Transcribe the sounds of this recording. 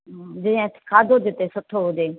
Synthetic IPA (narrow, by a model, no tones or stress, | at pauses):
d͡ʒɪãkʰaːd̪ʱod̪ɪt̪eːsʊʈʰoɦoːd̪eː